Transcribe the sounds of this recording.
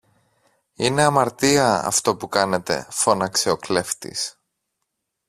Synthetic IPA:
ine̞ɐmɐɾt̪iɐɐ̰ft̪o̞pukɐne̞t̪e̞̰fo̞nɐkseo̞kle̞ft̪ḭs

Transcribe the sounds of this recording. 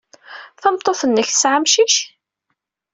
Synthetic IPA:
θæmt̪ˤːoθənːəçθə̥sʕamʃiç

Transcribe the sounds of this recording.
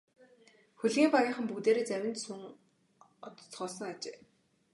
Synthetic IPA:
xuɮɣiːmpɔjə̆ːɴχə̆mpukt̪eːɾeːt͡sæwʲɪ̆nt̪suŋ | ɔt̪̆t͡sɢɔːɮsɞ̆ŋat͡ɕḛː

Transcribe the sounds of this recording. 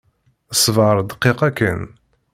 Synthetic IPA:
əsˤːvəɾˤd̪qːeqækːə̰n

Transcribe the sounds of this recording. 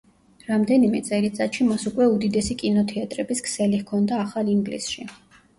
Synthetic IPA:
ɾamd̪ɛnimɛt̪sʼɛlit̪sʼat̪ʃimasukʼwɛud̪id̪ɛsikʼinɔt̪ʰɛat̪ʼɾɛbiskʰsɛlihkʰɔnd̪aːχalˠiŋɡlḭsʃi

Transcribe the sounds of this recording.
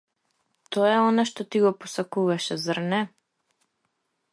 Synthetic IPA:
t̪ɔɛɔnaʃt̪ɔt̪iɡɔpɔsakuvaʃɛzrnɛ

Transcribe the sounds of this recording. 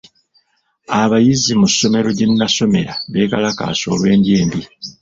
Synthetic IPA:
aβajizimusːo̞me̞ɾo̞ɟenːaso̞me̞ɾaβe̞ːkalaka̰ːso̞̰ːlwe̞ːndjeːmbi

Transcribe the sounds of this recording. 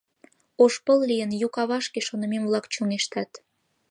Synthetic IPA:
oʃpəllijənjukɑβɑʃkeʃonə̆memβlɑkt͡ɕuŋeʃt̪ɑt̪

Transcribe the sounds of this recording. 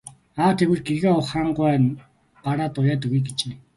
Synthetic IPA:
aːt̪ʰewɘ̆ɮɡeɣeːɔw̆χaːɴɢʊæːn | paɾaːt̪ʊjaːt̪ɵɣijɡet͡ɕeː

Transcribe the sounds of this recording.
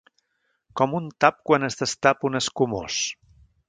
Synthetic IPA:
kɔmunt̪ap̚kwanəzðəst̪apunəskumos

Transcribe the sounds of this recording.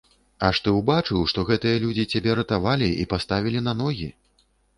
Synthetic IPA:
ɐʂt̪ɨwbat͡ʂɨwʂt̪ɔɣɛt̪ɨjɐlʲud͡zʲit͡sʲabʲɛɾɐt̪avalʲiḭpast̪avʲilʲin̪anɔɣʲi

